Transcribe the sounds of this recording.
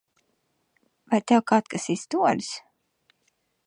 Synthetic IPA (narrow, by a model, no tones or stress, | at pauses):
vajt̪ɛwkaːt̪̚kasist̪uɔlʲs